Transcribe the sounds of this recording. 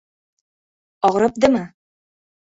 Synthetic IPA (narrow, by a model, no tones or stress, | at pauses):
ɒʁɾɤp̚d̪ɤmɤ